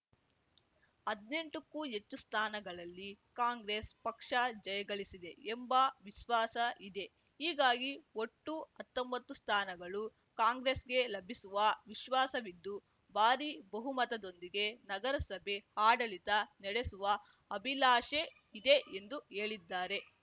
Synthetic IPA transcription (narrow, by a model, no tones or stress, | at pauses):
ɐd̪ne̞ɳʈukːuːet͡ʃːust̪ʰaːnɐɡɐɭɐlːikaːŋɡɾespɐkʂɐd͡ʒɐjɐɡɐɭisid̪e̞embɐʋiʃʋaːsɐʔid̪e̞ | ɦiːɡaːɡio̞ʈːuɐt̪ːombɐt̪ːust̪ʰaːnɐɡɐɭu | kaːŋɡɾesɡe̞lɐbʱisuʋɐʋiʃʋaːsɐʋid̪ːu | baːɾibɐɦumɐt̪ɐd̪o̞nd̪iɡe̞nɐɡɐɾɐsɐbʱe̞haːɽɐɭit̪ɐnɛɽesuʋɐ | ɐbʱilaːʃe | id̪e̞ʔend̪ue̞ːɭid̪ːaːɾe̞